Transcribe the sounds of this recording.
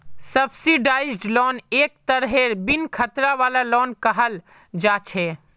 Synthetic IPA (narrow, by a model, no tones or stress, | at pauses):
səbsiɖaːɪd͡ʒɖlɔːneːk̚t̪əɾɦeɾbinkʰət̪ɾaʋaːlalɔːnkəɦəl | d͡ʒaːt͡ʃʰeː